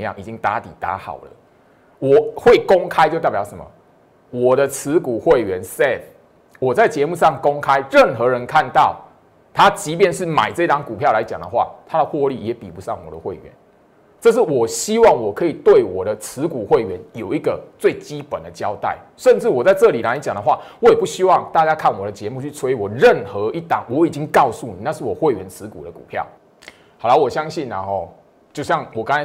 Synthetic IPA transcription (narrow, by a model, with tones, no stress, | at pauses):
jɑ˥˨ŋʔi˨˩t͡ɕi˦ŋt̪a̰˧˦t̪ḭ˨˩t̪a̰˨˦xɑ̰˨˩ʊlə̰˦ | wɔ˨˩xwe˥˩ɪko˥˦ŋkʰa˦ɪt͡ɕjo˥˧t̪pjɑ˨˩ʊʂə˧˦mɐ̰˨˩ | wɔ˨˩d̪ə˦t͡s̩ʰ˧˦ku˨˩xwe˥˩ɪɥɛ˧˦nsɛ˥f | wɔ˨˩t͡sa˥˩ɪt͡ɕjɛ˧˦mu˥˧ʂɑ˥˨˩ŋko˦ŋkʰa˦ɪɻə˥˨˩nxɤ˧˦ɻə˧˦nkʰa˥˧nt̪ɑ˥˨ʊ | t̪ʰa˦t͡ɕi˧˥pjɛ˥˧nʂɻ̩˥˩ma̰˨˩ɪt͡sɤ˥˧i˦t̪ɑ˧˥ŋku˨˩pʰjɑ˥˨ʊla˧˦ɪt͡ɕja˨˩ŋd̪ə̰˦xwa̰˥˨t̪ʰa˦d̪ə˨xwɔ˥˧lḭ˥˨˩jɛ˨˥pḭ˨˩pu˧˦sɑ̰˥˩ŋwɔ˨˩d̪ə̰˦xwe˥˩ɪɥɛ̰˧˦n | ʈ͡ʂɤ˥˧ʂ̬ɻ̩˥˩wɔ˨˩ɕi˦˥wɑ˥˩ŋwɔ˨˩kʰɤ˧˦˥i˨˩t̪we˥˩ɪwɔ˨˩ɾə˨t͡sʰɹ̩˧˦ku˨˩xwe˥˩ɪɥɛ˨˧˦njo˨˩ʊi˧˥ɡə˨t͡swe˥˩ɪt͡ɕi˦˥pə˨˩nd̪ə˨t͡ɕjɑ˦ʊt̪a̰˥˩ɪ | ʂə˥˧nʈ͡ʂɻ̩˥˩wɔ˨˩t͡sa˥˧ɪʈ͡ʂɤ˥˨li˨˩la˧˦ɪt͡ɕja˨˩ŋd̪ə˩˧xwa˥˨wɔ˨˦jɛ˨˩pu˥˩ɕi˦wɑ˥˧ŋt̪a˥˧t͡ɕja˥kʰa˥˩nwɔ˨˩ɾə˦t͡ɕjɛ˧˦mu˥˧t͡ɕʰy˥˩t͡sʰwe˥˦wɔ˨˩ɻə˥˨˩nxɤ˧˦i˥˩t̪ɑ̰˨˩˦ŋwɔ˧˦i˨˩t͡ɕi˦ŋkɑ˥˧ʊsu˥˩nḭ˨˦na˥˧ʂɻ̩˥˩wɔ˨˩xwe˥˩ɪɥɛ˧˦nt͡sʰɹ̩˧˦kṵ˨˩d̪ə˦kṵ˨˩pʰjɑ̰˥˨˩ʊ | ɑ˨˩ʊla˧˦ɪwɔ˨˩ɕjɑ˦ŋɕi˥˩nla̰˨˩hɔ˨ | t͡ɕjo˥˧ʊɕjɑ˥˨˩ŋwɔ˨˩ka˥˦ŋa˧˦